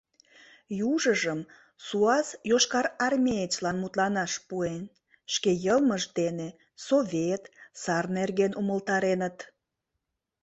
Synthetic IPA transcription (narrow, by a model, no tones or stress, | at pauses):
juʒəʒəm | suɑsjoʃkɑɾɑrmʲeet͡ɕlɑnmut̪lɑnɑʃpuen | ʃkejəlməʃd̪ene | sovʲet̪sɑrnerɣenʔuməlt̪ɑɾenət̪